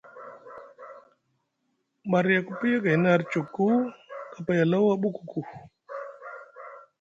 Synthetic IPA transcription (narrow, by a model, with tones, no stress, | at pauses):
ɓa˨ɾja˨ku˦pi˦ja˦ka˨˦na˦˨ɾt͡ʃu˨kːu˦ka˨pa˦ja˨la˦wa˦ɓu˦ku˨ku˨